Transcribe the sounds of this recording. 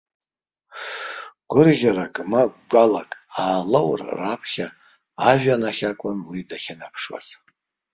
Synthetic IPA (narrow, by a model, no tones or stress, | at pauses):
ɡ̥ʷʊrɣʲaɾakʼmaɡɡʷalakʼaːlowrrapʰχʲa | aʒᶣanaχʲakʷʼʊnwidaχʲanapʰʂwa̰z̥